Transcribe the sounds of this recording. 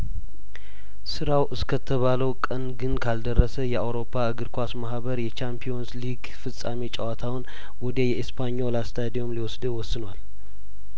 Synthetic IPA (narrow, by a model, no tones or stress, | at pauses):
sɨɾawʔɨskʰət̪ʰəβaləwkʼənɡɨnkʰald̪ərːəsəjɛawɾo̞pʰːaɨɡɨɾkʰʷasmahbəɾjɛt͡ʃampʰijo̞nsliɡ | fɨsʼa̰met͡ʃʼawat̪ʰawʊn | wɔd̪ejɛispʰaɲːolast̪ʰajad̪iomliwɔsd̪ɨwɔsːɨnwal